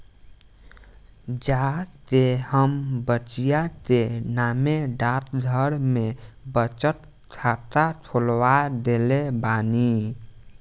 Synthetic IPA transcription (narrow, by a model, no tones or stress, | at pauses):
d͡ʒat̪ehəmbət͡ʃijat̪enameɖat̪̚d̪ʱəɾmebət͡ʃət̪ | t͡ʃʰat̪at̪ʰolwad̪elebani